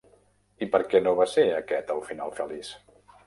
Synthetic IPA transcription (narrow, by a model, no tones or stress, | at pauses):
ipəɾkɛnoβaseəkɛt̪əlˠfinalˠfəlis